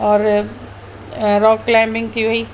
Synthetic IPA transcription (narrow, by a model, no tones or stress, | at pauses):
ɔːɾ | ɾɔːkːlãmbɪ̃ŋt̪ʰiʋi